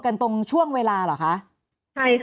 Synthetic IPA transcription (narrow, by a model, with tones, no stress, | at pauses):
ka˧nt̪o˧ŋt͡ɕʰu˥˩əŋweː˧laː˧lɔː˨˩kʰa˦˥ʔ | t͡ɕʰa˥˩jk